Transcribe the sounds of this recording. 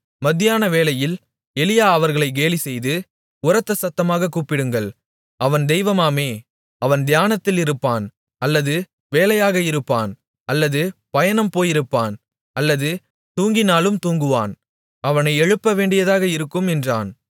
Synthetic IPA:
mɐðɪjaːnɐʋeːlɐjɪl | ɛlɪjaːɐʋɐɾɣɐɭɐɪɡeːlisɛjðɯ | ʊɾɐt̪ːɐsɐt̪ːɐmaːɣɐkːuːpːɪɽɯŋɡɐɭ | ɐʋɐnd̪ɛjʋɐmaːmeː | ɐʋɐnd̪ɪjaːnɐt̪ːɪlɪɾɯpːaːn | ɐlːɐðɯ | ʋeːlɐjaːɣɐɪɾɯpːaːn | ɐlːɐðɯpɐjɐnɐmpoːjɪɾɯpːaːn | ʔɐlːɐðɯ | t̪uːŋɡɪnaːlɯmt̪uːŋɡɯʋa̰ːn | ɐʋɐnɐɪɛɻɯpːɐʋeːɳɖɪjɐðaːɣɐɪɾɯkːɯmɛndra̰ːn

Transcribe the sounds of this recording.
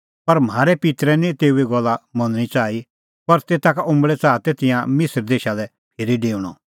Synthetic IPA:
pɐɾm̤aːɾɛpɪt̪ɾɛnĩt̪eːueɡɔlːamɐ̃nɽ̃it͡saːi | pɐɾt̪eːt̪akaʔʊ̃mbɭɛt͡saːt̪et̪ɪ̃jãmɪsəɾd̪eːʃalɛ | pʰɪɾiɖeːuɽ̃ɔ

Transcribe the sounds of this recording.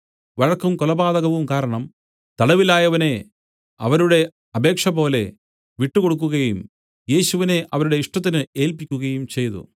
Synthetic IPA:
ʋɐɻɐkːɐmkɔlɐbaːðɐɣɐʋumkaːɾɐɳɐm | t̪ɐɽɐʋilaːjɐʋɐne̞ | ɐʋɐɾuɽe̞ | ɐbe̞ːkʂɐbo̞ːle̞ | ʋiʈːukoɽuk̬ːuɣɐjum | je̞ːɕuʋine̞ʔɐʋɐɾuɽe̞iʂʈɐt̪̬ːinɨe̞ːlpikʲːuɣɐjumt͡ɕe̞jt̪ṵ

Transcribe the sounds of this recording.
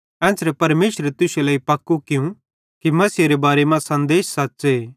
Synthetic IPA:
ɛ̃ːsɾɛpɐɾmeːʃɾet̪ʊselaːipɐkːukɪũ | kimɐsiɐɾebaːɾemɐ̃sɐ̃nd̪eːʃsɐtːseː

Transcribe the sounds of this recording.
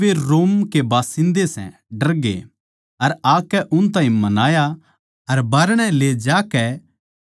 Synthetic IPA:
ʋeɾoːmkebaːsɪ̃nd̪esɛ̰̃ɖɐɾɡḛ | ɐɾaːkɛʔʊnt̪̬aːĩmɐnaːja | ɐɾbaːɾɽ̃ɛ̃leːd͡ʒaːkɛ

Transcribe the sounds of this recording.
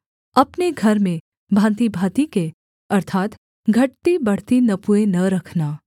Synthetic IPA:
ɐpneɡʱɐɾmẽ | bʱãːnt̪ibʱaːt̪ike | ɐɾt̪ʰaːt̪ | ɡʱɐʈ̚t̪ibɐɽ̤t̪inɐpuenɐɾɐkʰnaː

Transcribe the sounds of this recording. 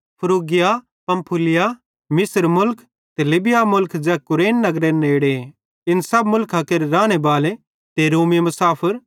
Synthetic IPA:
pʰʊɾoːɡɪja | pɐ̃mpʰʊlɪja | mɪsəɾmʊlk | t̪elɪbɪjamʊlkd͡ʒɛːkʊɾeːnːɐɡɾeneːɽe | ɪnsɐb̚mʊlkʰakeɾɾaːɽ̃ebaːle | t̪eɾoːmimʊsaːpʰəɾ

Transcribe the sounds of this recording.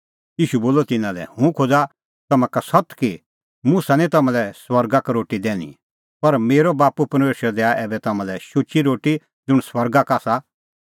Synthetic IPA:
jiːʃuboːlɔt̪ɪnãlɛ̰hũkʰod͡za | t̪ɐmãkasɐt̪ki | mʊsanĩt̪ɐmãlɛswɐɾɡakaɾoːʈid̪ɛ̃ːñḭ | pɐɾmeːɾɔbaːpupɐɾmeːʃəɾɛd̪ɛːaʔɛːbɛt̪ɐmãlɛʃʊt͡ʃiɾoːʈi | d͡zʊɽ̃swɐɾɡakaːsa

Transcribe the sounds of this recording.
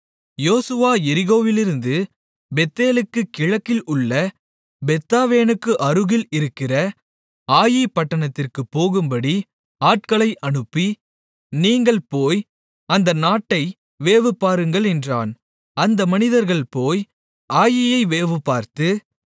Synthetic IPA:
joːsɯʋaːjɛɾɪɣoːʋɪlɪɾɯnd̪ɯ | bɛt̪ːeːlɯkːɯkɪɻɐkːɪlʊɭːɐ | bɛt̪ːaːʋeːnɯkːɯʔɐɾɯɣɪlɪɾɯkːɪrɐ | aːjɐɪpːɐʈːɐɳɐt̪ːɪrkɯpːoːɣɯmbɐɽi | aːʈ̚kɐɭɐɪʔɐɳɯpːi | niːŋɡɐɭpoːj | ɐnd̪ɐnaːʈːɐɪ | ʋeːʋɯpːaːɾɯŋɡɐɭɛndraːn | ɐnd̪ɐmɐnɪðɐɾɣɐɭpoːj | aːjɪjɐɪʋeːʋɯpːaːɾt̪ɯ

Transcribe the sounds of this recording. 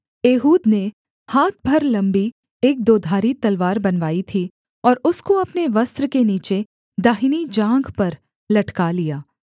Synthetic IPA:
eːɦuːd̪ne | haːt̪̚ʰbʱɐɾlɐ̃mbi | eːk̚d̪oːd̪ʱaːɾit̪ɐlʋaːɾbɐnʋaːit̪ʰi | ɔːɾʊskoɐpneʋɐst̪ɾəkeniːt͡ʃe | d̪aːɦinid͡ʒãːŋɡpɐɾ | lɐʈkalijaː

